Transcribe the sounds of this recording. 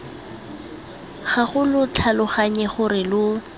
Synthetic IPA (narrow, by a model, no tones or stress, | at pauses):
χaχʊlʊt͡ɬʰalʊχaɲɛχʊrɪlʊ